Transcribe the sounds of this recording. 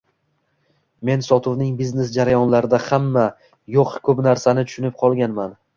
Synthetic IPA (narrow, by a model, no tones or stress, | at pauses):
me̞nsɒt̪ʰʊvnɪŋbizne̞sd͡ʒaɾajɒnlaɾɪd̪ahamːa | joqkʰɵpnaɾsanɪt̪ʰʊ̥ʃʊnɪp̚qʰɒlˠɡʲanman